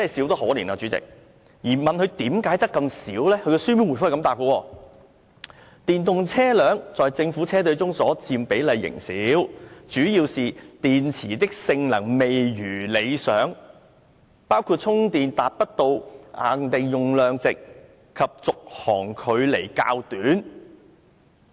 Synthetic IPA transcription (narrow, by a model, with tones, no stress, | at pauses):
t͡sɛ˥hɐ˨˩si˨˥wt̪ɐ˥ho˨˥liː˨˩naː˧˩t͡ʃyː˨˥t͡sɪ̰˨k̚ | jiː˨˩mɐ˨nhɵ˨˧ɥt̪iː˨˥mkaː˨˥jt̪ɐ˥kːɐ˧msiː˨˥wlɛː˥kʰɵ˨˧ɥkɛ˧sy˥mi˧˥nwu˨˩fʊ˥˨˩kɐ˧mt̪aː˨p̚kɔ˧wɔː˧ | t̪iː˨nt̪ʊ˨ŋt͡sʰɛː˥lœː˨˥ŋt͡sɔː˨jt͡sɪ˧ŋfu˨˥t͡sʰɛː˥t̪ɵ˧ɥt͡sʊ˥ŋsɔː˨˥t͡siː˧mpe˨˥jlɐ˨˧jːɪ̰˨˩ŋsiː˨˦˥wt͡ʃyː˨˥jiː˧wsiː˨t̪iː˨nt͡sʰiː˨˩t̪ɪ˥k̚sɪ˧ŋlɐ̰˨˩ŋme˨jjyː˨˩le˨˧jsœː˨˥ŋ | paː˥wkʰuː˧t̚t͡sʰʊ˥ŋt̪iː˨nt̪aː˨t̚pɐ˥t̚t̪o˧wʔa̰ː˨ŋt̪e˨jjʊ˨ŋlœː˨˧ŋt͡sɪ˨k̚ | kʰːɐ˨p̚t͡sʊ˨k̚hɔː˨˩ŋkʰɵ˨˧ɥle˨˩jka̰ː˧wt̪yː˨˥n